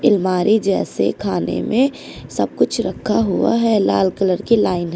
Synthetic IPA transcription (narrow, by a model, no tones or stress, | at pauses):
ɪlmaːɾʔid͡ʒɛːsḛkʰaːnḛmẽ | sɐb̚kʊt͡ʃʰɾəkʰːaɦʊa̰ɦɛla̰ːlkələɾkilaːɪnɦ